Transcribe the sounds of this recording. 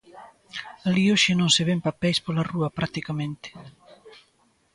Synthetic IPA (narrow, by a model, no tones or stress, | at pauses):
alioʃenõŋseβempapɛjspolaruɐpɾʔakt̪ikamẽnt̪e̥